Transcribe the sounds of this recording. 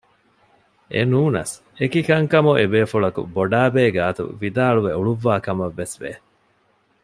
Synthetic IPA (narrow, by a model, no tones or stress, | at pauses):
ʔḛnuːnɐ̰s | ekikɐŋkɐmuʔebeːfuɭɐkṵboɖaːbeːɡaːt̪ṵʋid̪aːɭuʋeuɭuʋːaːkɐmɐʋːesʋḛː